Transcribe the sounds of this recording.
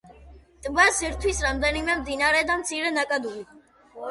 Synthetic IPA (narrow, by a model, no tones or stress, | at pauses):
t̪ʼbasɛɾt̪ʰwisɾamd̪ɛnimɛmd̪inaɾɛd̪amt̪sʰiɾɛnakʼad̪uli